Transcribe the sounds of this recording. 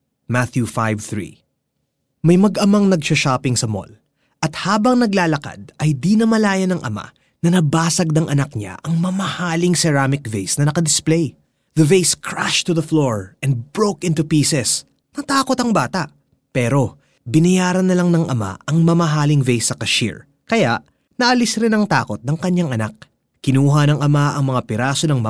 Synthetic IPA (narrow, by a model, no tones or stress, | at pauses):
mat̪jufajvθɹḭ | mɐjmɐɡɐmɐŋnɐɡʃɐʃaːpɪŋsɐmo̰l | ʔɐt̪̚haːbɐŋnɐɡlaːlɐka̰d̪̚ɐjd̪inɐmɐlaːjɐnɐŋʔɐ̰ma̰ | nɐnɐbaːsɐɡ̚nɐŋʔɐnɐk̚ɲa̰ʔɐŋmɐmɐhaːlɪŋsɛɾaːmɪkvejsnɐnɐkɐd̪ɪsplej | ðɐvejskʰɹaʃt̪uðɐfloɹʔɛ̃nd̪̚bɹowkɪ̃nt̪upiːsɛs | nɐt̪aːko̞t̪ɐŋbaːt̪ɐʔ | pɛːɾo̞ | bɪnɐjaːɾɐnːɐlaŋnɐŋʔɐ̰ma̰ʔɐŋmɐmɐɦaːlɪŋvejsɐkɐʃḭɹ | kɐjaʔ | nɐʔɐlɪsɾɪnɐŋt̪a̰ːko̞t̪̚nɐŋkɐɲːaŋɐnak̚ | kɪnuːɦɐnɐŋʔɐmaʔɐŋmɐŋapɪɾaːso̞nɐŋmɐ